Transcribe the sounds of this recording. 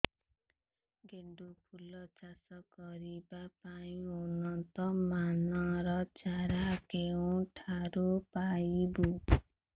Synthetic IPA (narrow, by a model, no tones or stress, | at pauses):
ɡeɳɖupʰulːʌt͡sasʌɡʌɾibapaĩonʌnt̪ʌmanʌɾʌt͡saɾakeõʈʰaɾopajibu